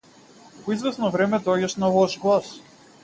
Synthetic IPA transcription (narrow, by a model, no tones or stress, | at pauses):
pɔizvɛsnɔvɾɛmɛd̪ɔɟaʃnalˠɔʃɡlˠas